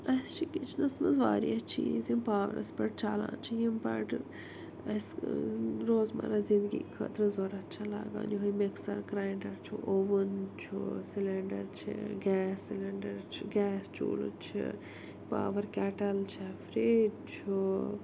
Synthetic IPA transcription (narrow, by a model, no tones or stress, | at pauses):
ɐst͡ʃʰikit͡ʃʰnɐsmɐzʋaːɾiɐt͡ʃʰizimpaːʋɐ̰ɾɐ̰spɐʈ̚t͡ʃʰaːlã̰ːt͡ʃʰijimpɐʈ | ɐs | ɾoːzmɐ̰ɾazĩnd̪ɡḭːkʰɐ̰ːt̪ɾɐzoɾɐt̪t͡ʃʰɐlaːɡã̰ːniɦojmiksɐɾkɾaːjɳɖɐɾt͡ʃʰuʔoʋunt͡ʃʰusilɐɳɖɐɾt͡ʃʰḭɡʲɛːsːilɐɳɖɐɾt͡ʃʰiɡʲɛːst͡ʃṵːlṵt͡ʃʰḭ | pa̰ːʋɐɾkɛːʈɐlt͡ʃʰɐfɾeː | t͡ʃʰu